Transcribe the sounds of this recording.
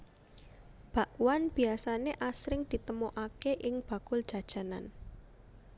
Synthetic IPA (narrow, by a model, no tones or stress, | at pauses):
b̥a̤ʔwanb̥iasaneʔasɾɪŋd̪̥i̤t̪əmoʔakeʔɪŋb̥a̤kʊld̥ʒ̥ä̤d̥ʒ̥a̤na̰n